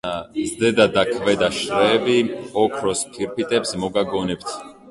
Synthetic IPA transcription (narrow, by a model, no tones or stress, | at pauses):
zd̪ɛd̪ad̪akʰvɛd̪aʃɾɛːbiɔkʰɾɔskʰiɾpʰit̪ʼɛpsmɔɡaɡɔnɛp̚t̪ʰ